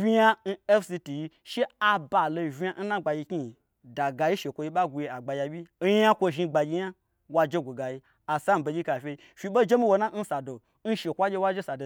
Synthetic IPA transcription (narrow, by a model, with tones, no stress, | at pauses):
vʲi˦ja˧n̩˦e˦fsi˧ti˨ji˧ʃe˦a˧ba˨lo˧˨vʲi˧ja˧n̩˦nã˦ɡ͡ba˧ji˧kʲi˦i˨ | da˨ɡa˧ji˦ʃe˨kʷo˧ji˧ɓa˦ɡʷu˧ji˧a˨ɡ͡ba˨jʲa˧bʲi˦a˦kʷo˧ʒi˧ɡ͡ba˨ɡʲi˧ja˦ | wa˧d͡ʒe˦ɡʷu˨ɡa˨ji˧ | a˨sa˦m̩˨bo˧d͡ʒʲi˦ka˨fʲe˧i˧˦fi˧ɓo˦d͡ʒe˦mi˦wo˧na˦n̩˦sa˨do˨ | n̩˦ʃe˨kʷa˦ɡʲe˧wa˦d͡ʒe˦sa˨do˨